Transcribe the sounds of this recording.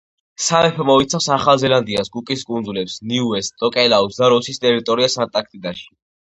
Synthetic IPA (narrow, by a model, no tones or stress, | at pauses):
samɛpʰɔmɔit̪sʰafsaχalˠzɛland̪iasɡukʼiskʼund̪zulɛpsniuɛst̪̚t̪ʼɔkʼɛlausd̪aɾɔsist̪ʼɛɾit̪ʼɔɾiasant̪ʼak̚ʰt̪ʼid̪aʃi̥